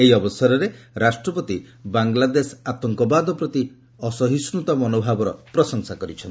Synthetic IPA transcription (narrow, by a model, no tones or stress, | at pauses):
eɦiɔbɔsɔɾɔɾeɾasʈɾɔpɔt̪ibaŋɡlad̪esat̪ɔŋkɔbad̪ɔpɾɔt̪i | ɔsɔɦisnut̪ɔmɔnobʱabɔɾɔpɾɔsɔŋsakɔɾit͡ʃʰɔnt̪i